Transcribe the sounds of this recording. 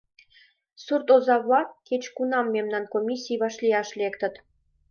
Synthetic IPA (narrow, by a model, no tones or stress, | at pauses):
surt̪ozɑβɑket͡ɕkunɑmːemnɑnkomʲisʲijβɑʃlʲijɑʃlʲekt̪ə̆t̪